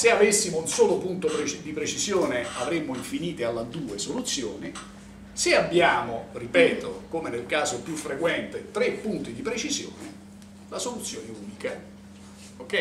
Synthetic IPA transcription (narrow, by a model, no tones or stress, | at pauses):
seavesːimounsoːlopunt̪opɾet͡ʃd̪ipɾet͡ʃizjoːneavɾemːoiɱfiniːt̪ealːad̪uːesolut̪sːjo̰ːni | seabːjaːmoripɛːt̪o̰komenelkaːzopjufːɾekwɛnt̪et̪ɾepːunt̪id̪ipɾet͡ʃizjo̰ːnɪ | lasolut̪sːjoːneuːnika | okːɛj